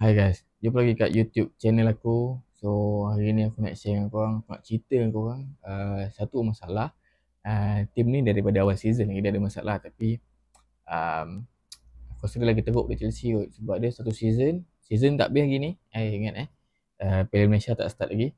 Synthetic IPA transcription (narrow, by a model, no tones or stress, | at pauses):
ajɡajs | d͡ʒupəlaɡikaʔjut̪jup̚t͡ʃɛnəlakusohaɾinĩakuna̰ʔsɛŋankoɣaŋakuna̰ʔt͡ʃit̪əankoɣaŋəsat̪umasalah | ət̪imnidaɾipadaawalsizənlaɡidəadəmasa̰lʔaht̪api | ə̰m | kasɾilaɡit̪əɡʊʔ̚dit͡ʃɛlsiɡosəbap̚dəsat̪usizən | sizənt̪a̰ʔbɪhlaɡini | ajiŋat̪ɛ | əpɛlilmesat̪a̰ʔsə̥t̪at̪̚laɡi